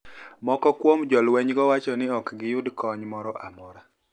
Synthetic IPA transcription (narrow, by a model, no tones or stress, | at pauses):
mɔkɔkwomd͡ʒɔlwɛɲɡɔwat͡ʃɔnɪɔkɡɪjʊdkɔɲmɔɾɔʔamɔɾa